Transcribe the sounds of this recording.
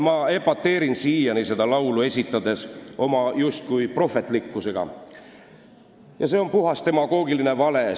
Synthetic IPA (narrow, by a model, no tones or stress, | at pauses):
mɑe̞pːɑt̪ːe̞ːɾinsiːjɑnise̞d̪̥ɑlɑwlue̞sʲit̪ːˑɑd̪e̞so̞mɑjust̪̚kujpro̞fˑe̞t̪ˑlikːuse̞ɡ̥ɑ̰ | jɑse̞o̞npuɦɑst̪e̞mɑɡ̥o̞ːɡ̥iline̞vɑle̞